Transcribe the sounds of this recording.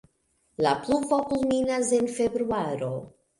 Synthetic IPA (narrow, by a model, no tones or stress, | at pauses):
lapluvokulminas̬e̞nfe̞bɾuaɾo̞